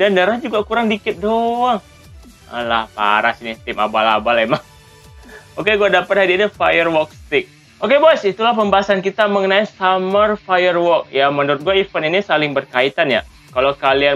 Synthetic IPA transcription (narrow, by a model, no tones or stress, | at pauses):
dandəɾad͡ʒuɡakuɾaŋdikɪt̪̚doaŋ | a̰lahpa̰ɾasinit̪ɪma̰bala̰balemaŋ | okeɡuadapat̪̚hadiinifajərwɔk̚st̪ɪk̚ | okebɔjsit̪ulahpəmbaɦasankit̪aməŋənaisamərfajərwɔk̚jamənuɾʊt̪̚ɡuaifəninisalɪŋbərkait̪anja̰ | kalokalian